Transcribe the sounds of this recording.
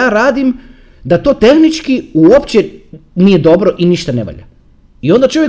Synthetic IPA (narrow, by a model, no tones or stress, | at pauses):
aːɾaːd̪im | d̪at̪o̞ːt̪e̞xnit͡ʃkiuopt͡ɕenijed̪o̞bɾo̞ʔiniʃt̪aneʋa̰ʎa̰ | io̞nd̪at͡ʃoje